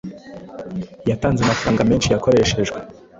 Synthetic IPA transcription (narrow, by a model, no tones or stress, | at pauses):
jataːnzamafaɾaːŋɡameːnʃijako̞ɾe̞ʃe̞ʒɡwe